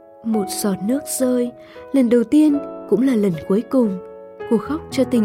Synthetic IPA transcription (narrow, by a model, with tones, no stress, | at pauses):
mo˨˩t̚zɔ˨˩t̚nɨ˦˥ək̚z̥əː˧j | lə˨˩nɗə˨˩wt̪i˧ənkʊ̰˧˥ŋ͡mlaː˨˩lə˨˩nku˨˦əjkʊ˨˩ŋ͡m | ko˧˩xa˦˥wk͡p̚t͡ɕɔ˧t̪ï˨˩ŋ̟